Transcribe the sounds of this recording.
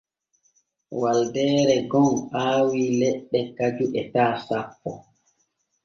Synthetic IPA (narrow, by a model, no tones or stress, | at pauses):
waldɛːɾɛɡɔnʔaːwiːlɛɗːɛkad͡ʒuʔɛtaːsapːɔ